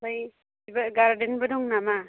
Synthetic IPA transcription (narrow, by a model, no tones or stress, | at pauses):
baj | ibaɡaɾdenbɐdɔŋnama